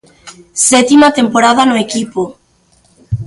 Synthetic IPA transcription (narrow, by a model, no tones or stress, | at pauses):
sɛt̪imat̪empoɾað̞anʊekipo